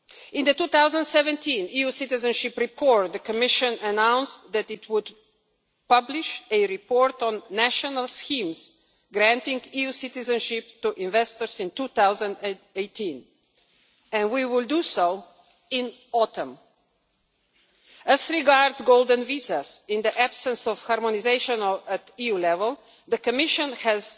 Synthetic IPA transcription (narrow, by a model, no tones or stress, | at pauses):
ɪ̃nd̪ətuθaʊzə̃ndsɛvɛ̃ntʰĩnijusɪtɪzə̃nʃɪpɾipʰɔɹt̪̚d̪əkəmɪʃə̃nənãʊ̃nstðɛtɪtʰwʊd | pʌblɪʃɨɾipɔɾt̪ɔ̃nːæʃənəlˠskĩms | ɡɾæ̃ntɪ̃ŋɡijusɪt̪ɪzə̃nʃɪp̚tuʔɪ̃nvɛst̪əɹsɪ̃ntuθaʊzə̃ndeɪtʰĩn | ɛ̃nwiwɪldusoʊ | ɪ̃n | ɔt̪ʰə̃m | æzɾɪɡaɾdzɡoʊlˠd̪ə̃nvizasɪ̃nd̪iʔæb̥sə̃nsɔv̥haɾmɔnizeɪʃə̃nɔət̪ijulɛvəl | d̪əkɔmɪʃə̃nhɛz